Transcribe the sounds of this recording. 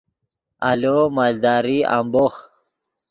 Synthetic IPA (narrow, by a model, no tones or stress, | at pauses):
a̰lomald̪ɑːɾia̰mbox